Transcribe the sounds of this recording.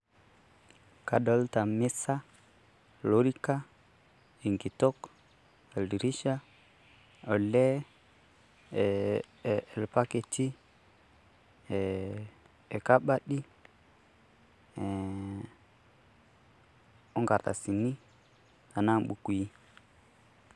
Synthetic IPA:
ka˨dɔ˦lta˨mɪ˦sa˦ | lo˦ɾi˦ka˦ | i˨ŋɡi˨tɔ˦k | a˨li˨ɾi˦ʃa˦ | ɔ˨lɛ˦˨ | lpa˦ke˨ti˦˨ | ɛ˨ka˦ɓa˦ɗi˦˨ | ɔ˦ŋɡa˨ɾta̰˨si˨ni˦ | a˨na˦˨ɓu˨ku˨i˦

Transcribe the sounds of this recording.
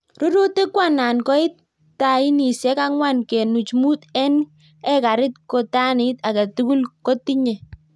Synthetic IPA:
ɾʊ˦ɾu˦tɪ˦kwa˦na˨nkɔ˦ɪ˦t | ta˨ɪ˦ni˨sɛ˦ka˦ŋwa˦nkɛ˨nu˨t͡ʃmu˦tɛ˦n | ɛ˦ka˨ɾɪ˦tko˨ta˦nɪ˦ta˨ka˨tu˦ku˦lko˦ti˦ɲɛ˨

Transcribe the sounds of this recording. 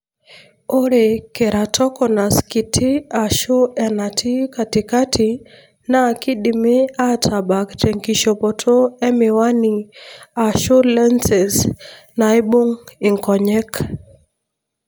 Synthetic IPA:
o˦ɾe˨kɛ˨ɾa˨tʰɔ˦kɔ˨na˨ski˨tʰi˦a˨ʃu˦ɛ˨na˨tʰi˦ka˨ti˨ka˦tʰi | na˦˨ki˦ɗi˨mi˦a˦tʰa˨ba˨ktɛŋkiʃɔ˨pɔ˨tʰo˦ɛ˦miwa˦ni˨a˨ʃu˦lɛ˦nsɛ˨s | na˨i˦ɓu˦ŋi˨ŋkɔ˨ɲɛ˦k

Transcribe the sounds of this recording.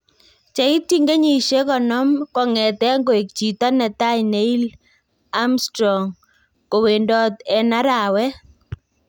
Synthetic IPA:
t͡ʃa˨i˦ti˦ŋɡe˦ɲi˨ʃe˦kɔ˨nɔ˦mkɔ˨ŋɛ˨t̪ɛ˦ŋɡo˦e˨k̚t͡ʃi˨t̪a˦nɛ˨t̪a˦ɲne˨˦i˦l | a˦mstɾɔ˨ŋ | ko˨we˨ndɔ˦t̪ɛ˦na˦ɾa˨wɛ˦

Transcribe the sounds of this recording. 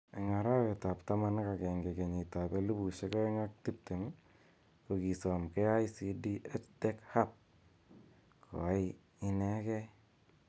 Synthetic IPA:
e˨ŋa˨ɾa˦we˨ta˨pta˦ma˦nka˨kɛ˨ŋɡe˨ke˨ɲi˨ta˨pe˦lu˦bu˨ʃe˦kɔ˦e˦ŋa˦k̚ti˦p̚te˨mi˦ | ko˨ki˨sɔ˨mkɛ˦a˦jsi˨di˦ʔe˦t͡ʃte˦kha˦p̚ | kʰo̰˨a˦j | i˦nɛ˦kɛ˦

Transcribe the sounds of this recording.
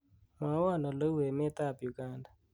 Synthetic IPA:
ma˨˦wa˦˨nɔ˨lo˦we˨mɪ˦t̪a˦˨pju˨ɡa˦nda˨

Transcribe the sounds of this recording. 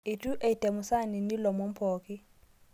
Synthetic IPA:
ɪ˨tʼu˦ʔe˨i˨tʼe˨mʊ˨sa˦˨ni˨ni˦lɔ˨mo˨˦m̩˦pʰɔː˨kʼɪ˦

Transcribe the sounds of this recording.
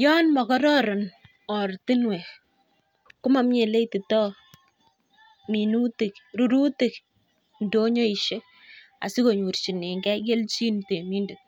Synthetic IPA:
jɔ˦nmɔ˨kɔ˦ɾɔ˦ɾɔ˨n | ɔ˨rtɪ˦nwe˨ | kʊ˦ma˦mɲe˨le˦ti˨tɔ˦ | mi˨nu˦ti˨k̚ɾu˨ɾu˦ti˨k | ndo˦ɲo˦i˨ʃe˦ | a̰˨si˦ko˨ɲu˨ɾt͡ʃi˨ne˨ŋɡɛ˦ɡe˦lt͡ʃi˦nte˨mi˦ndet̚

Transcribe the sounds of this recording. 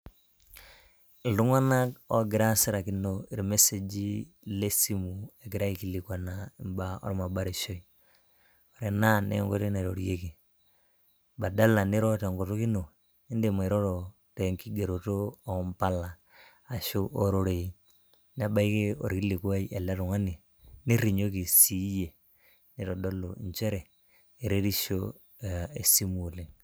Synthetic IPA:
du˦ŋa˦na˦ko˦ɡɪ˨ɾa˦si˦ɾa˨ki˦no˨i˨ɾme˦se˨d͡ʒi˦ | le˦si˦mu˨e˨ɡi˨ɾa˦i˨ki˦li˨kwa˨na˨i˨mba˨ɔ̰˦ɾma˨ba˦ɾi˨ʃo˦i˨ | o˨ɾe˨na˦˨nḛ˦ŋɡo˦ɾna˨ɾo˨ɾje˦ke˨ | ba˨da˦la˨ni˦ɾo˦te˨ŋɡo˨to˦ki˦no˨ | i˦nde˨ma˨ɾo˦ɾo˨ | te˨ŋki˦ɡe˨ɾo˨toː˦˨mpa˦laː˨ | ʃo˦ʔo˦ɾo˦ɾe˨i˦ | ne˦ba˦i˦ke˦o̰˨ɾki˦le˨kwa˦i˦ʔe˨la˦ɾʊ˨ŋa˦ni˨ | ni˦ɾi˨ɲo˦ki˨si˦je˨ | nɪ˦ɾo˨do˦lo˨nt͡ʃe˦ɾe˨ | e˨ɾe˦ɾi˦ʃo˦˨ | e˨si˦mo˨li˨ŋ

